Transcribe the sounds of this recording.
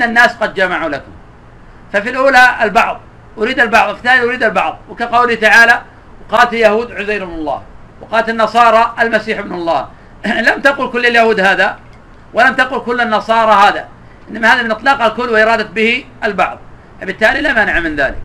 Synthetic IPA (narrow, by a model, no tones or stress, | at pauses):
ʔɪnːanːaːsqɑd̪̚d͡ʒamaʕulakʊm | fafilʔuːlaalbɑʕðˤ | ʔʊɾiːd̪albɑʕðˤwfɪ̥t̪ːaːlʔʊɾiːd̪albɑʕðˤwɪkaqɑwlɪht̪aʕaːla | wqɑːlt̪aljahuːd̪ʕʊzajɾɪbnʊlˤːɑ̰ːh | wɪqɑːlat̪anːɑsˤɑːɾˤɑʔalmasiːħɪbnlˤːɑː | lamt̪aqʊlkʊlːaljahuːd̪haːða | walamt̪aqʊlkʊlːanːɑsˤɑːɾˤɑhaːða̰ | ʔɪnːamahaːðamɪnʔɨt̪ˤlɑːqhalkʊlːwɪʔɪɾˤɑːd̪at̪bɪhi | albɑʕðˤ | fabɪt̪ːaːlilaːmanɪʕamɪnðaːlɪ̰k